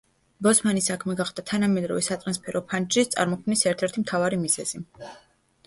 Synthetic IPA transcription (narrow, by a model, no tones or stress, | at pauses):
bɔsmanisakʰmɛɡaχd̪̥at̪ʰanamɛd̪ɾɔvɛsat̪ʼɾanspʰɛɾɔpʰand͡ʒɾist̪sʼa̰ɾmɔkʰmnisɛɾt̪ʰɛɾt̪ʰimt̪ʰavaɾimizɛz̥i